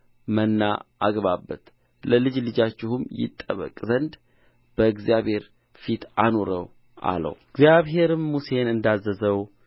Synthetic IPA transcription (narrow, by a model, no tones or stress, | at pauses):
mənːaaɡβabːət̪ | ləlɨd͡ʒlɨd͡ʒat͡ʃːɪhumjɪ̰t̪ʼːəβə̰kʼzənd̪ | b̥əɨɡzijaβhe̞ɾ | fit̪ano̞ɾəw | ʔa̰lə̰wɨɡzjaβɦe̞ɾɨmːuse̞nɨnd̪azːəzəw